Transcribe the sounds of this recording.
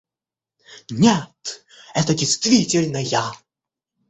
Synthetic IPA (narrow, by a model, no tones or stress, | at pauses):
nʲet̪ | ɛt̪ədʲejst̪vʲitʲɪlʲnəja